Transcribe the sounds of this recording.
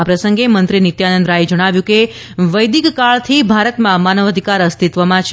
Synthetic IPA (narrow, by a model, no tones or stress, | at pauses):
apɾəsəŋɡemənt̪ɾinit̪janənd̪ɾaɦid͡ʒəɽ̃aʋjũke | ʋəjd̪ikːaɭt̪ʰibʱaɾət̪mãmanəʋəd̪ʱikaɾəst̪it̪ʋəmãt͡ʃʰ